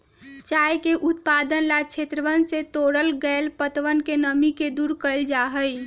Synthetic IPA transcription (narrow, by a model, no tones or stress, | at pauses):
t͡ʃaːjkeʔʊt̪̚pad̪ənlat͡ʃʰet̪ɾəʋənset̪oːɽəlɡɛlpət̪ʋənkenəmiked̪uːɾkəld͡ʒaɦəj